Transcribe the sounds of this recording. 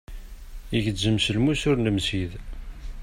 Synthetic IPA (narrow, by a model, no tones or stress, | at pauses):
iʝzəmsəlmusʊɾnəmsið